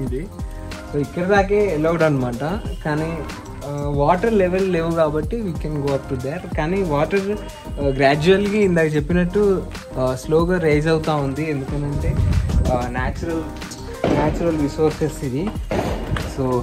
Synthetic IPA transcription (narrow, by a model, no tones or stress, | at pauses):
ɳɖi | soːikːɐɽɐd̪aːk̬eːelɐwɖɐnɐmaːʈɐkaːni | ʋaːʈɐɾleʋelleːʋukaːbɐʈːiʋiːkɛnɡoːɐp̚ʈud̪eɾkaːniːʋaːʈɐɾ | ɡɾaːd͡ʒuɐlɡiind̪aːkɐt͡ʃepːinɐʈːu | sloːɡaːɾeːd͡ʒɐwt̪aːund̪iend̪ukɐnɐɳʈeː | naːt͡ʃuɾɐl | naːt͡ʃuɾɐlʋisoːɾsɐsid̪i | soː